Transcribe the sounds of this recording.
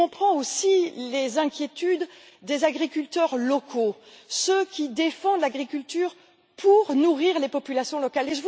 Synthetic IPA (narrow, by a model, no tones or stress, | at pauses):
ɔ̃pχɑ̃osilezɛ̃kʲjet̪yd̪ː | ezaɡʁikʲylt̪œʁlɔkʰo | səkʲid̪efɑ̃d̪laɡʁikʲylt̪yːʁ | pʰuʁnuʁiʁlepɔpylasjɔ̃lɔkaleʒəv